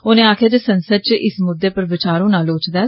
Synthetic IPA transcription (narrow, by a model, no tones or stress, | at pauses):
oːnẽːaːkʰeːd̪eːsənsəd̪̚t͡ʃʔɪsmʊd̪ːeːpəɾʋɪt͡ʃaːɾõːnaːloːt͡ʃd̪ɛː